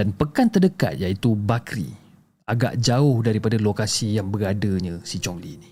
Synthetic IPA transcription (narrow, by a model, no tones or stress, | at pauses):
danpəkant̪ərdəka̰t̪̚jait̪ubakɾḭ | aɡa̰ʔd͡ʒaʊhdaɾipadalokasijaŋbəɾadəɲãsit͡ʃɔŋlḭni